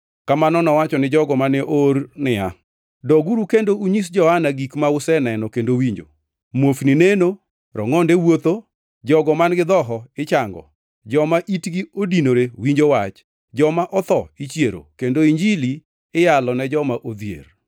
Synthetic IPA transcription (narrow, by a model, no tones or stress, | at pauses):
kamanɔnɔwat͡ʃɔnɪd͡ʒɔɡɔmaneʔoɾnɪa̰ | dɔɡuɾukendouɲis̬d͡ʒɔhanaɡikmaʊsɛnɛnɔkendowiɲd͡ʒo̰ | mwofnɪneno | ɾɔ̰ŋɔndewot̪o | d͡ʒɔɡɔmanɡɪd̪ɔɦɔɪt͡ʃaŋɡɔ̰ | d͡ʒɔmaʔitɡiodinoɾewiɲd͡ʒowat͡ʃ | d͡ʒɔmaʔɔt̪ɔit͡ʃjeɾo̰kendoiɲd͡ʒili | ɪjalɔnɛd͡ʒɔmaʔod̪jḛr